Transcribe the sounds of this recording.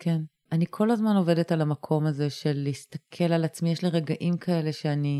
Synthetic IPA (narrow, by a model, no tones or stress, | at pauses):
kʰe̞n | ʔanikʰo̞lazmano̞ve̞de̞talamakʰo̞maze̞ʃe̞lːiist̪ɐkʰe̞lalat͡smijeʃliʁeɡaʔimkʰae̞le̞ʃe̞ani